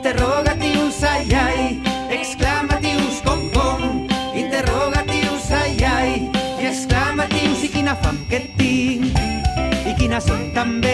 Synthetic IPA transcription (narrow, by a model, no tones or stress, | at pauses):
t̪eroɣat̪iusajaj | eksklamat̪iuskoŋkoŋint̪eroɣat̪iusajajreksklamat̪iusikinafa̰ŋket̪ːi | ikinasont̪ambe